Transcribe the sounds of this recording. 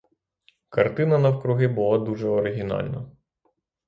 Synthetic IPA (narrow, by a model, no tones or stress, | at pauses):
kɐrt̪ɪnɐnɐwkɾʊɦɪbʊlˠɑd̪uʒɛɔɾɪɦʲinɑ̰lʲnɐ